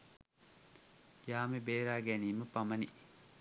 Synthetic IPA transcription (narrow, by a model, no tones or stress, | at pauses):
jaːmebeːɾaːɡæniːməpɐmɐni